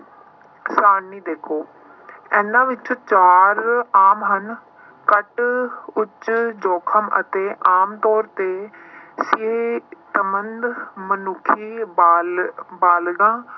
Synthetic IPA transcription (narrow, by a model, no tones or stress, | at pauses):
saːniːd̪eːkʰoː | ɛ̃ːnãːʋɪt͡ʃõːt͡ʃaːɾaːmɦən | kəʈʊt͡ʃd͡ʒɔːkʰəmə̰t̪eːʔaːmt̪ɔːɾt̪eːsɪeːt̪əmənd̪mənʊkʰːiːbaːlbaːlɡãː